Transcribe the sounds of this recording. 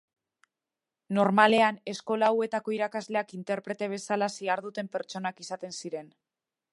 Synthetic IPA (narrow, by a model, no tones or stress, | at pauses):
no̞ɾmale̞ane̞sko̞lawe̞t̪ako̞iɾakazle̞akint̪e̞ɾpɾe̞t̪e̞β̞e̞salasiaɾðut̪e̞mpe̞ɾt͡ʃo̞nakisat̪e̞nsiɾe̞n